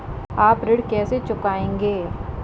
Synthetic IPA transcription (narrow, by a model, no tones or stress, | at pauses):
aːpɾɪɽkɛːset͡ʃʊkaːẽːŋɡeː